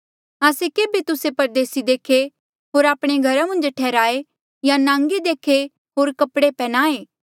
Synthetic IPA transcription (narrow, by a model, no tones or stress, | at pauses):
aːsekeːbet̪ʊsepɐɾd̪eːsid̪eːkʰe | ɦoːɾaːpɽ̃eɡʱɐɾamɐ̃nd͡ʒʈʰɛːɾaːe | janãːŋɡed̪eːkʰe | ɦoːɾkɐpɽepɛːñaːeː